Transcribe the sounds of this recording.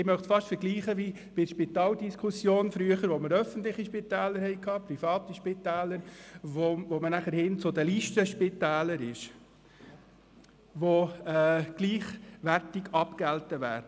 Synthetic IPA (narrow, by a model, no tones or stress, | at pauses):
ɪmœχtsfɑʃtfəɾɡliːχəʋi | b̥ɪdʃpit̪ɑːldiskʰusjoːnfɾyəχəɾʋoməɾœfən̩t̪lɪχiʃpit̪æːləɾhɛɪkʰhɑːpɾifɑːt̪iʃpɪt̪æːləɾʋovomənæχəɾhɪnt͡sʊd̪əliːʃtəʃpɪt̪æːləɾɪʃ | ʋoɛɡ̥liːχʋærtɪɡɑpkɛltəʋæ̰ːɾdə